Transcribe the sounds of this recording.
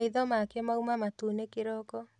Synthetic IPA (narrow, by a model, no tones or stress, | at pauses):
iðɔmakemaumamatunekeɾɔkɔ